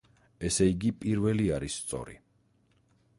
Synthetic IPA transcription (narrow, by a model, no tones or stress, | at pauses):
ɛsɛiɡipʼiɾvɛliaɾisːt̪sʼɔ̰ɾḭ